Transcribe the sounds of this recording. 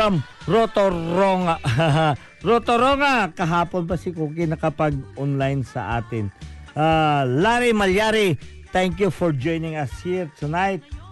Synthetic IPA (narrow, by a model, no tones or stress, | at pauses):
am | ɾot̪oɾoŋaaɦa | ɾot̪oɾoŋakɐɦaːponbɐsikokɪjnɐkɐpɐɡ̚onlajnsɐ̰ʔa̰ːt̪ɪnʔalaɾimɐljaɾit̪ɛŋkjufɔɹd͡ʒojnɪŋɐshiɹt̪ʰunajt̪̚